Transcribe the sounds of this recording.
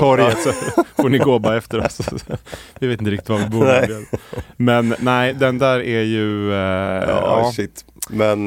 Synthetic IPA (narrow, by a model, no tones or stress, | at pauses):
ɔɾjət̪sɔfonɪɡoːbaɛft̪əɾɔ̰s | vɪveːt̪ɪnɾɪk̚ːt̪ɪt̪vavɪbuːɾed̪mɛnːæɪd̪ɛnd̪æːɾæɾjɵ̰ | ɑ̰ːʃɪt̪ːmɛn